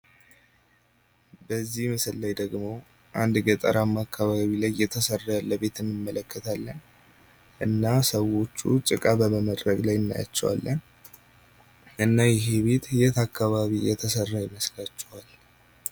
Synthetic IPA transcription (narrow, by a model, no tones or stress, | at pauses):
bəzːihmɨsɨlːajd̪əɡmo̞ | ʔand̪ɡət̪ʼəɾamːakːaβaβilajːɛt̪ʰəsərːaləβe̞t̪ʰɨnːɨmːələkːət̪ʰalːən | ʔɨnːasəwo̞t͡ʃːṵt͡ʃʼɨkʼabəməməd̪ɾəɡlajɨnːa̰ja̰t͡ʃːɛwa̰lːən | ʔɨnːajɪɦeβe̞t̪jɛt̪akːaβaβijɛt̪ʰəsərːajɪmːəslat͡ʃːɛwal